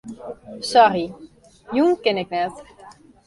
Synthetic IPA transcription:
sɔri | juŋkɪnɪk̚nɛt

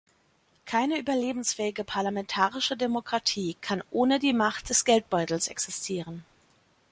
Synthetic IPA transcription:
kʰaɪnəʔyːbɐleːbm̩sfɛːɪɡəpʰaɐlamɛntʰaːʁɪʃədemokʁ̥atʰiːkʰanʔoːnədiːmaχt̚d̥ɛsɡ̥ɛlt̚b̥ɔʏtl̩sʔɛ̰ksɪstʰiːʁ̞ən

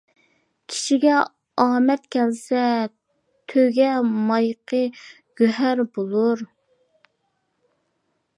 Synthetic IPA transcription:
kʲʰi̥ʃiɡʲɛ | ɑːmɛt̪kʲʰɛlsɛ | t̪ʰøɡʲɛmɑjqʰə | ɡ̥ʲøɦæɾbolˠuɾ

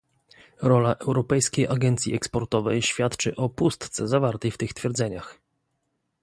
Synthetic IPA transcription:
ɾɔlaʔɛwɾɔpɛjskʲejʔaɡɛnt̪sʲjiɛkspɔɾt̪ɔvɛjɕfʲjat̪t͡ʂɘʔɔpust̪t̪sɛzavaɾt̪ɛjft̪ɘxst̪fʲjɛɾd̪zɛɲax

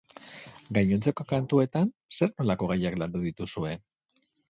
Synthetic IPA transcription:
ɡajɲo̞nt͡seko̞kant̪ue̞t̪an | se̞ɾno̞lako̞ɣ̞ajakland̪uðit̪usue̞

